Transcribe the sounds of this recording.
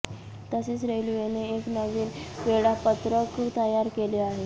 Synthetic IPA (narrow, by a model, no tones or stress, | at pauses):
t̪əset͡sɾelujeneeknəʋiːnʋeɭapət̪ɾəkt̪əjaɾkeleaɦe